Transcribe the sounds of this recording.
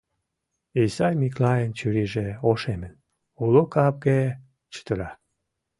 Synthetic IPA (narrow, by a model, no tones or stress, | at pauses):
isɑjmiklɑjent͡ɕyɾiʒeoʃemən | ulokɑp̚ɡe | t͡ɕə̥t̪əɾɑ